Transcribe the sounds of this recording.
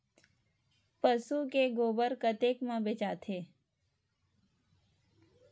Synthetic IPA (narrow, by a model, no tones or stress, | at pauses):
pəsukeɡoːbəɾkət̪eːkmãbet͡ʃaːt̪ʰe